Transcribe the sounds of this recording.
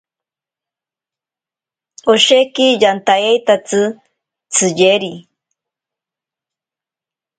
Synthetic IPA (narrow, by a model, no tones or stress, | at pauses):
oʃekijant̪ajejt̪at͡sɨ | t͡sʰɨʎeɾi